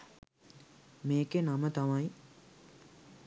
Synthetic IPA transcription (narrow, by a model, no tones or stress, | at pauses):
meːkenamət̪amaji